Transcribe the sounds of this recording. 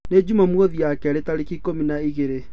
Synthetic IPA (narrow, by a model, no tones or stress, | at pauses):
ned͡ʑumamwɔðiakɛɾetaɾikikominaiɣeɾe